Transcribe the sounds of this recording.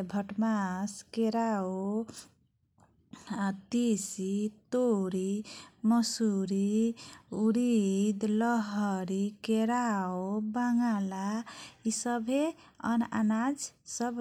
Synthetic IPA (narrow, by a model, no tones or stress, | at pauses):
bʱəʈmaskeɾao | at̪isit̪oɾiməsuɾi | uɾid̪ləɦəɾikeɾaobaŋɡalaisəbʱe | ə̰na̰nad͡ʒsəb